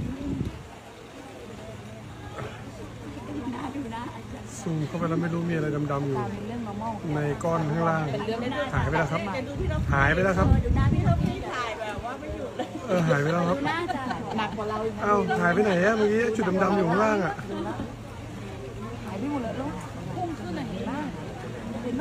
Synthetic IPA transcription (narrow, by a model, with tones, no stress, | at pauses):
ʔa˧ | suː˨˩mkʰa˥˩pa˧laː˧˥˩ma˥˩jɾuː˦˥miː˧˩a˧ɾa˧jda˧mda˧mju˨˩˥na˧jkɔː˥˩nt̪ʰaː˧˥˩ŋɾaː˥˩ŋhʰaː˩˦jp̬a˧jlɛː˦˥˩kʰa˦˥p̚haː˩˦jpa˧jlɛː˦˥˩kʰa˦˥p̚ | ʔɤː˧˩ɦaː˩˦jpa˧jlɛː˧˥˩wkʰa˦˥p̚ | ʔa˧˩whʰaː˨˦jpa˧jna˩˦jʔa˦˧˥maː˧kiː˦˥ʔa˥˩t͡ɕu˨˩t̪̚a˧mda˧mjuː˨˩ɔ˨˦ŋɾaː˥˩ŋʔa˨˩ʔ